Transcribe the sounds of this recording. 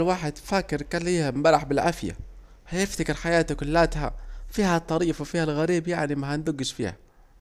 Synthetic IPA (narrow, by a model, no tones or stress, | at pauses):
lwaːħɪd̪faːkɪɾkaliːhambaɾaħbɪlʕafja̰ | hajɪft̪akɪɾħajaːt̪ʊkʊlːaːt̪ha̰fiːhat̪ˤːɑɾiːfwfiːhalɣaɾiːbjaʕnimahand̪ʊɡːɪʃfḭːha̰